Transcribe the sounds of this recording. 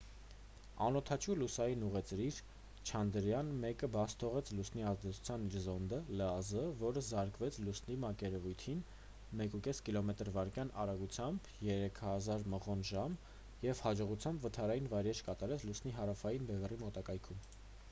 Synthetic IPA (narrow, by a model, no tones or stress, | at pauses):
ɑnɔt̪ʰɑt͡ʃʰulusɑjinuʁɛt͡sɾiɾ | t͡ʃʰɑnd̪əɾjɑnmɛkəbɑst̪ʰɔʁɛt͡sʰlusniɑzd̪ɛt͡sʰu̥t͡sʰjɑniɾzɔnd̪ələɑzəvɔɾəzɑɾkvɛt͡sʰlusnimɑkɛɾɛvujt̪ʰin | mɛkukɛskilɔmɛt̪əɾvɑɾkjɑnʔɑɾɑɡut͡sʰjɑmb | jɛɾɛkʰhɑzɑɾməʁɔnʒɑm | jɛvhɑd͡ʒɔʁut͡sʰjɑmbvət̪ʰɑɾɑjinvɑjɾɛt͡ʃʰkɑt̪ɑɾɛt͡sʰlusniɦɑɾɑfɑjinbɛvɛrimɔt̪ɑkɑjkʰum